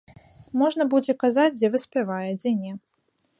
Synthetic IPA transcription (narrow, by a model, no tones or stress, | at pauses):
mɔʐnɐbud͡zʲɛkazad͡zʲd͡zʲɛvɨsʲpʲɛvajɛd͡zʲɛnʲɛ